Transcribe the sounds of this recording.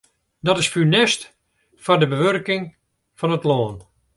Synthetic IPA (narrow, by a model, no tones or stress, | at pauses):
dɔtɪsfynɛst | fɔrdəbəʋørkɪŋ | fɔnətloːn